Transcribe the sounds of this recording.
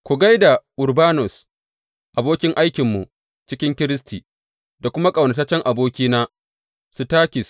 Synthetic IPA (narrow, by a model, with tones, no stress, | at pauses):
kʷu˨ɡa˦jda˨ʔʊ˨ɾbaː˦nɔ˨s | ʔa˨boː˦kʲɪ˦ŋʔa˦jkʲɪ˨mːu˨ʔ | t͡ʃɪ˦kʲɪ˦ŋkʲɪ˦ɾɪ˦stʰiː˨ | da˨kʷʊ˦ma˦kʼɐ˨wnɐ˨ta˦t͡ʃɛ˦ŋʔa˨boː˦kʲiː˦naː˦ | su˨taː˦kʲɪ˨s